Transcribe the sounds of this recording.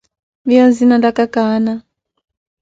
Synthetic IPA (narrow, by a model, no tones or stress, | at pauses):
βijɔnzinandakakaːna